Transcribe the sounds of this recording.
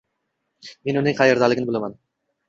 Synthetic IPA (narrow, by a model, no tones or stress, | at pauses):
me̞nʊnɪŋqʰɑjeɾd̪alɪɡʲɪnɪbolˠaman